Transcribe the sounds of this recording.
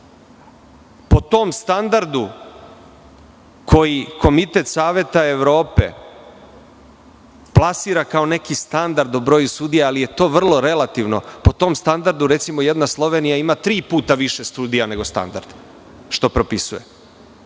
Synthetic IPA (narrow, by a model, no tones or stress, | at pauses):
pot̪o̞mst̪and̪aɾd̪u | kʰo̞jiko̞mit̪et̪saːʋje̞t̪aeʋɾo̞ːpe̞̰ | plˠasiːɾakao̞ne̞kist̪and̪aɾd̪obɾo̞ːjusuːd̪ijaalije̞t̪o̞ːʋr̩lˠo̞ɾe̞lat̪iʋno̞̰po̞t̪o̞ːmst̪and̪aɾd̪uɾe̞t̪simojed̪naslˠo̞ʋe̞ːnijaimat̪ɾiːpuːt̪aʋiʃe̞st̪uːd̪ijane̞ɡo̞st̪a̰nd̪a̰ɾd̪̥ | ʃt̪o̞pɾopisuje